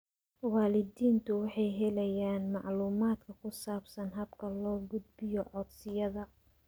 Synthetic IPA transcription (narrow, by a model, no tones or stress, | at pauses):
waːlɪd̪iːnt̪ʰʊwɑħɑjɦɛlɐjaːnmɑʕluːmaːd̪kʰɐkʰʊsaːbsɐnɦɐbkʰɐlɔːɡʊd̪bɪjɔʕɔd̪sɪjɐðɐ